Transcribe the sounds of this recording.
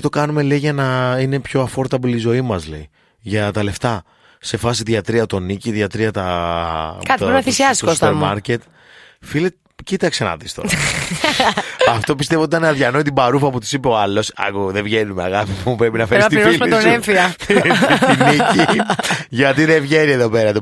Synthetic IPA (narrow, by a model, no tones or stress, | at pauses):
it̪o̞kɐnume̞leiʝɐnɐine̞pço̞ɐfo̞ɾt̪ɐpolizo̞imɐzlei | ʝɐt̪ɐle̞ft̪ɐ | se̞fɐsiðjɐt̪ɾiɐt̪o̞niciðjɐt̪ɾiɐt̪ɐ | kɐt̪iɾnɐfisiɐsssut̪peɐɾmmɐɾce̞t̪ | filet̪ | cit̪ɐkse̞nɐ̰ðist̪o̰ | ɐft̪o̞pist̪e̞voot̪ɐneɐðʝɐnoit̪ibɐɾufɐput̪i̥sipeoɐlo̞sɐ̰kuðevʝe̞numeɐ̰ɣɐfipuupɾepinɐfeɾɐsiiɾoimet̪neɱfiɐ | nnici | ʝɐt̪iðe̞vʝe̞ɾieðo̞pe̞ɾɐt̪o